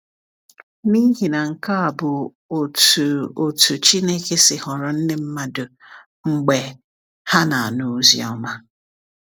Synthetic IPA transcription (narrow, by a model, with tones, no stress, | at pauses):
ni˦ɦi˨na˨ŋ̩˨ka˦a˨bʊ˨ | o˨tu˨o˨tu˨t͡ʃi˦ne˦ke˦sɪ˨hɔ˨ɾɔ˨n̩˦nɪ˦m̩˦ma˦dʊ˨ | ŋ͡m̩˨ɡ͡be˨ | ha˦na˨a˨nu˨˦zḭ˦ɔ̰˦ma˦